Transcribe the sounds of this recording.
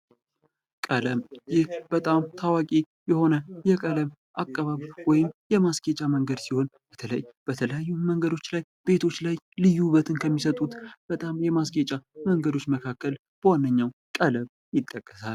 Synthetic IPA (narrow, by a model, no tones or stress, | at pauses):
kʼələmjɪhb̥ət̪ʼamt̪ʰawakʼi | jɛho̞nəjɛkʼələm | ʔakʼːəβaβwɔjɪmjɛmaskʼet͡ʃʼaməŋɡəd̪siho̞nb̥ət̪ʰələjb̥ət̪ʰələjajːuməŋɡəd̪o̞t͡ʃːlajb̥e̞t̪ʰo̞t͡ʃːlaj | lɨjːuβət̪ʰɨnkʰəmːisət̪ʼut̪b̥ət̪ʼamjɛmaskʼet͡ʃʼaməŋɡəd̪o̞t͡ʃːməkʰakːəl | b̥əwanːəɲːawkʼələβ | jɪt̪ʼːəkʼːəsal